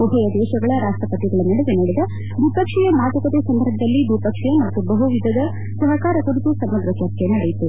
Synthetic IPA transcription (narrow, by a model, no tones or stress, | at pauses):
uɦɐjɐd̪ɛːʃɐɡɐɭɐɾaːʂʈɾɐpɐt̪iɡɐɭɐnːɐɽeʋenɐɽed̪ɐ | d̪ipɐkʂɛjɐmaːt̪ɐkɐt̪esɐnd̪ɐɾbʱɐd̪ɐlːid̪ipɐkʂɛjɐnaːt̪ubɐɦuʋid̪ʱɐd̪ɐ | sɐɦɐkaːɾɐkuɽit̪usɐbɐd̪ɾɐt͡ʃɐɾt̪ʰjɐnuɐ̰ːjit̪u